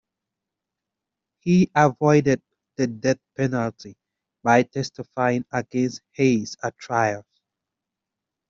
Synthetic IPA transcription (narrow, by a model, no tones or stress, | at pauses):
hiəvɔɪdɛd̚ | ðədɛθpɛnəltʰi | bajtʰɛstɪfajɪ̃ŋəɡɛ̃nst̚heɪsatʰɹajə̃ɱf